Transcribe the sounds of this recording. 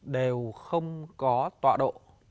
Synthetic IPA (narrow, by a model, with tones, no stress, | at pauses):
ɗe˨˩wxə˧wŋ͡mkɔ˨˦t̪wa̰ː˧˨ɗo̰˧˨